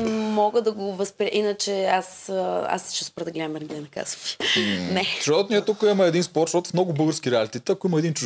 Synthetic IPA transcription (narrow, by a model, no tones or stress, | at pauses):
mɔɡəd̪ɐɡovəspɾʲaʔinət͡ʃɛasa̰sɛ̥ʃɛspɾd̪əɡlɛd̪əmɛɾɡd̪ɛnɐka̰zo̥fi̥nɛʃɛɔt̪nijət̪ukəimɐɛd̪inspɔɾt̪ʃɔt̪ʊ̥fmnɔɡʊbɤlˠɡəɾskʲiɾɛalit̪ɛt̪ɛɐkoimɐɛd̪int͡ʃu